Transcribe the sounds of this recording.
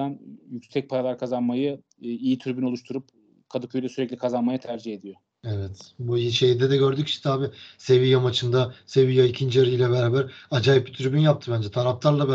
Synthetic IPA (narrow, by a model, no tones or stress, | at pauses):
anjycsɛc̚pʰaɾalˠaɾkʰazanmajɯ | ijit̪ʰyɾbyno̞lˠuʃt̪ʰuɾup | kʰad̪ɯkʰyjd̪ɛsyɾɛclʲikʰazanmajɯt̪ʰæɾd͡ʒihe̞d̪ijo | evɛt̪buʃejid̪ɛd̪ɛɟøɾd̪yci̥ʃt͡ʃt̪ɛ̥t̪ʰabise̞vijamat͡ʃʰɯnd̪ase̞vijaicʰind͡ʒiaɾɯilʲɛβɛɾaːbæɾad͡ʒaːjip̚bit̪ʰyɾbynjap̚t̪ʰɯbænd͡ʒɛt̪ʰaɾaft̪ʰaɾlˠab